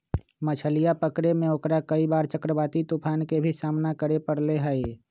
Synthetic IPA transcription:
mət͡ʃʰəlijapəkɾemẽokɾakəibaːɾt͡ʃəkɾəbaːt̪it̪upʰaːnkebʱisaːmnakəɾepəɽleɦəe

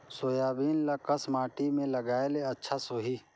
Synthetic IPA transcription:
soːjaːbiːnlɐkɐsmaːʈimẽlɐɡaːeleɐtːʃʰasoːɦi

